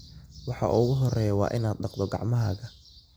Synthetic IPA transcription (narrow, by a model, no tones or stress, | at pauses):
wɑħɑ̰ʔʊɣʊɦɔrɛːjɐwɑ̰ːʔɪnaːd̪ɖɑqd̪ɔɡɑ̰ʕmɐɦɐːɣɐ